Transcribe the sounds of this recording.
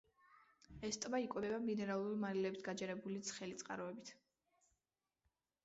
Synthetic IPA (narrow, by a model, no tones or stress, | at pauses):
ɛst̪ʼvaikʼwɛɛbaminɛɾalˠuɾimalilɛbisɡad͡ʒɛɾɛbulit̪sʰχɛlit̪sʼqʼa̰ɾɔɛbit̪ʰ